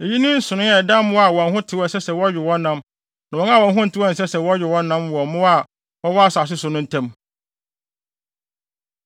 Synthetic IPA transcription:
e˨ji˦nʊ̃˦n̩˦sʊ̃˨nʊ̃˦ɛ˨dã˦mʊ̃˦a˨wɔ̃˨n˨ɦʊ̃˦tʰɪ˨wɔ˦˨sɛ˦sɛ˨wɔ˦ɥᶣɪ˨wɔ̃˦nːã˦m | nã˨wɔ̃˦na˦˨wɔ̃˨n˨ɦʊ̃˦n̩˨tʰɪ˨˦wɔ˦˨n˨sɛ˦sɛ˨wɔ˦ɥᶣɪ˨wɔ̃˦nã˦mwɔ˨mʊ̃˦a˨ | wɔ˦wɔ˦a˦sʊ˨a˨s̬ɪ˦sʊ˨nʊ̃˦n̩˨tʰɛ̃˦m

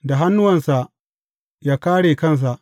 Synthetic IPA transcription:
da˨ɦa˦nːʊ˦wɐ˨nsa˨ʔ | jaː˦kaː˦ɽeː˨kɐ˦˨ns̬a˨ʔ

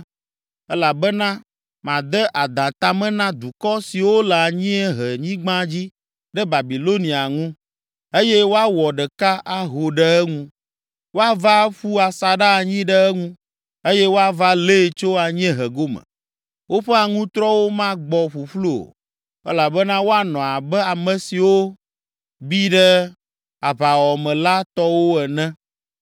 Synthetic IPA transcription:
ɛ˦la˨bɛ˦nã˦ | mã˨d̪ɛ˦ʔa˨d̪ã˨t̪a˨mɛ̃˦nã˦d̪u˨kɔ˦si˨wo˦la˨a˨ɲĩ˦ɛ˦ɦɛ˨ɲĩ˦ɡ͡bã˦d͡ʑi˦ | ɖɛ˦ba˨bi˨lo˦nĩ˨a˨ŋũ˦ | e˦jɛ˦wo˦a˦wɔ˨ɖɛ˨ka˦ʔa˦˨ɦo˨ɖɛ˦ɛ˦ŋũ˦ | wo˦a˦va˦ɸu˦a˨sa˨ɖa˦˨ɲĩ˦ɖə˦ɛ˦ŋũ˦ | e˦jɛ˦wo˦a˦va˦le˦˨t͡ʃo˦a˨ɲ˦ɛ̃˦ɦɛ˨ɡo˦mɛ̰̃˨ | wʔo˦ɸɛ˦a˨ŋũ˦t̪ɾɔ˦wo˦mã˦ɡ͡bɔ˨ɸu˨ɸlu˦o̰˨ | ɛ˦la˨bɛ˦nã˦wo˦a˦nɔ̃˨a˨bɛ˦a˨mɛ̃˨si˨wo˦ | bi˦ɖɛ˦ | a˨βa˨wɔ˨mɛ̃˨la˦t̪ɔ˦wo˦ɛ˨nɛ̃˦

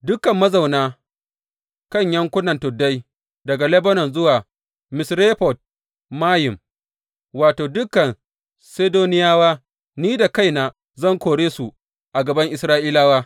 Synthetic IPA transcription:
dʊ˦kːɐ˨mːɐ˦za˨wnaː˦ | kɐ˦˨ɲjɐ˦ŋkʷʊ˦nɐ˨ntʊ˨dːɐ˦j | dɐ˨ɡa˨lɛ˦bɐ˦nɔ˨nzʊ˦waː˨ | mɪ˨sɾeː˦ɸɔ˨t̚ | mːaː˦jɪ˨m | waː˨toː˨dʊ˦kːɐ˨n | seː˦doː˦nɪ˦jaː˦waː˦ | niː˦da˨ka˦˨jnaː˨ | zɐ˦˨ŋkʷoː˨ɽeː˦su˨ | ʔa˨ɡɐ˨bɐ˦ŋʔɪ˨sɾaː˦ʔiː˦laː˦waː˦

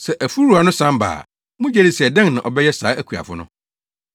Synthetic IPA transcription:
sɛ˨ʔæ˨fu˦ɾu˨˦a˨nʊ̃˦sã˦mba̰ː˨ | mʊ̃˦d͡ʑɛ˦dɪ˨sɛ˨dɛ̃˦ŋnã˨ʔɔ˨bɛ˦jɛ˦saː˨˦æ˦kʰu˨a̰˨fʊ˦nʊ̰̃˦

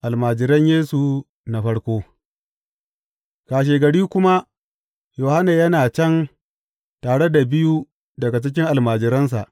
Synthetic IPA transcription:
ʔa˨lmaː˨d͡ʒɪ˨ɾɐ˦ɲjeː˦su˨ | na˨ɸɐ˦ɽkʷoː˦ | kaː˨ʃ̬eː˨ɡɐ˨ɽiː˦kʷʊ˦ma˦ | joː˨ha˦na˨jɐ˦naː˨t͡ʃɛ˦n | taː˨ɽe˦da˨bɪ˦ju˦ | dɐ˨ɡa˨t͡ʃɪ˦k̬ʲɪ˦ŋʔa˨lmaː˨d͡ʒɪ˨ɾɐ˦ns̬a̰˨ʔ

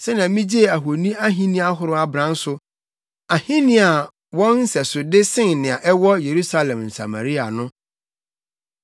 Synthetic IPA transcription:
sɛ˦nã˨mĩ˦d͡ʑe˦˨a˨ɦo˨nĩ˦a˦ɦĩ˦nĩ˦a˦ɦʊ˦ɾʊ˦a˨bɾã˦n̩˦sʊ˨ | a˨hĩ˦nɪ̃˦a˨ | wɔ̃˦nn̩˦sɛ˨sʊ˨dɪ˦sɪ̃˦nnɪ̃˨a˨ʔɛ˦wɔ˦je˨ɾu˦sa˦lɛ̃˨mn̩˨sa̰˨ma̰˨ɾi˦a˨nʊ̃˦

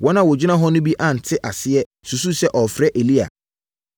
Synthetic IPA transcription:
wɔ̃˦nã˨wɔ˨d͡ʑᶣi˦nã˦ɦɔ˦nʊ̃˦bi˦ʔã˨n̩˨tʰɪ˦ʔa˨sɪ˦ɛ˦ | su˨s̬u˦sɛ˦ʔɔ˨fɾɛ˦ʔe˨li˦a̰˨

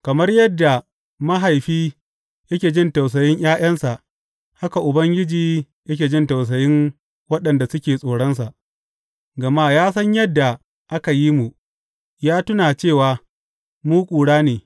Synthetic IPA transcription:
kɐ˨mɐ˦rjɐ˦dːa˨ | mɐ˦ɦa˨jɸiː˦ | jɐ˦kʲeː˨d͡ʒɪ˦˨nta˨ws̬ɐ˨jɪ˦ɲj̰ʔaː˦j̰ɐ˦nsa˨ʔ | ha˦ka˨ʔʊ˨bɐ˦ŋɡʲɪ˦d͡ʒiː˨ | jɐ˦kʲeː˨d͡ʒɪ˦nta˨ws̬ɐ˨jɪ˦ŋ | wɐ˦ɗɐ˨nda˨sʊ˦kʲeː˨sʼoː˨ɽɔ˦nsa˨ʔ | ɡɐ˨ma˦jaː˦s̬ɐ˦ɲjɐ˦dːa˨ | ʔa˦ka˨ji˦mu˨ | jaː˦tʊ˦naː˨t͡ʃeː˦˨waː˨ | muː˦kʷʼuː˨ɽaː˦neː˨

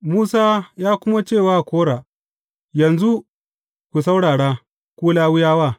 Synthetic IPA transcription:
muː˦saː˦jaː˦kʷʊ˦ma˦t͡ʃeː˦˨waː˦˨kʷoː˦ɽaː˨ | jɐ˨nzu˦ | kʷu˨s̬a˦wɽaː˨ɽaː˦ | kʷuː˦laː˦wʊ˦jaː˦waː˦˨

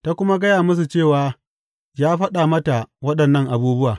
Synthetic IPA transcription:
ta˦kʷʊ˦ma˦ɡɐ˦jaː˨mʊ˦s̬u˨t͡ʃeː˦˨waː˨ | jaː˦ɸɐ˦ɗa˨mɐ˦ta˨wɐ˦ɗɐ˨nːɐ˦˨ŋʔa˨buː˦bʊ˦waː˨

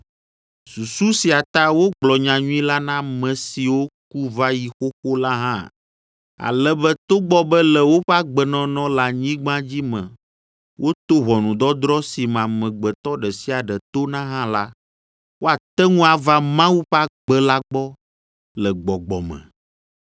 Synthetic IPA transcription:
su˨su˦si˨a˨t̪a˦wo˦ɡ͡blɔ˨ɲã˨ɲũ˦ĩ˦la˦nã˦mɛ̃˨si˨wo˦ku˦va˦ji˨xo˦xo˦la˦ɦã˦˨ | a̰˨lɛ˦bɛ˦t̪o˦ɡ͡bɔ˦bɛ˦lɛ˨wo˦ɸɛ˦a˦ɡ͡bɛ˨nɔ̃˦nɔ̃˦la˨ɲĩ˦ɡ͡bã˦d͡ʑi˦mɛ̃˨ | wʔo˦t̪o˦βɔ˨nũ˨d̪ɔ˦d̪ɾɔ˦si˨m˨ã˨mɛ̃˨ɡ͡bɛ˨t̪ɔ˦ɖɛ˨si˦a˨ɖɛ˨t̪o˦nã˦ɦã˦la˦ | wʔo˦a˨t̪ɛ˦ŋũ˦a˨va˦mã˦wu˦ɸɛ˦a˦ɡ͡bɛ˦la˦ɡ͡bɔ˦ | lɛ˨ɡ͡bɔ˨ɡ͡bɔ̰˨mɛ̰̃˨

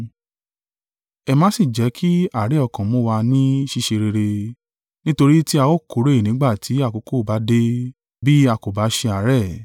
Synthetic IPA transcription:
ɛ˧mãː˨˦si˦˨d͡ʒɛ˨˦kʰi˦a˦˨ɾe˨˦ɔ˧˨kã˨˦mõ˦wa˧nĩ˦ʃi˧ʃe˧ɾe˧ɾe˧ | nĩ˦to˧ɾi˦ti˦a˧wo˦˨ko˨˦ɾe˦i˨nĩ˨˦ɡ͡ba˦˨tʰi˨˦a˦˨ko˨˧˦ko˦˨ba˨˦de˦ | bi˦a˧˨ko˨ba˨˦ʃe˧a˨˦ɾɛ˦˨

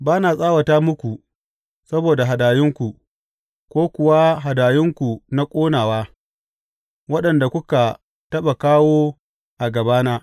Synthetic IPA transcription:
baː˦naː˨sʼaː˦wa˨taː˦mʊ˦kʷu˨ | sɐ˦boː˨da˨ɦa˨daː˨jɪ˦ŋkʷu˨ | kʷoː˦kʷʊ˨wa˦ɦa˨daː˨jɪ˦ŋkʷu˨na˦kʷʼoː˦naː˨waː˦ | wɐ˦ɗɐ˨nda˨kʷʊ˦ka˨ | tɐ˦ɓa˨kaː˦woː˦ | ʔa˨ɡɐ˨baː˦naː˦

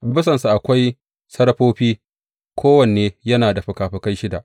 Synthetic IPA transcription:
bʊ˦sɐ˨nsu˨ʔa˨kʷa˦j | sɐ˦ɽɸoː˦ɸiː˦ | kʷʰoː˦wɐ˨nːeː˦jɐ˦naː˨da˨ɸɪ˨kaː˨ɸɪ˦ka˦jʃɪ˦da̰˨ʔ

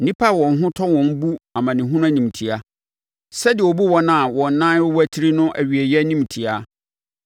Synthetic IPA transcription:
nĩ˦pʰa˦˨wɔ̃˨n̩˦ɦʊ̃˦tʰɔ̃˦nwɔ̃˨n̩˦bu˦ã˨mã˨nɪ̃˨ɦũ˦nʊ̃˦a˦nĩ˨m˨tʰi˨a˦ | sɛ˦dɪ˨ɛ˨ɔ˨bu˦wɔ˦nã˨wɔ̃˨n̩˨˦nã˦n˦wʊ˦wæ˦tʰi˦ɾi˦nʊ̃˦ʔæ˨ɥi˨e˨jɛ˦nĩ˦m˨tʰi˨a˦

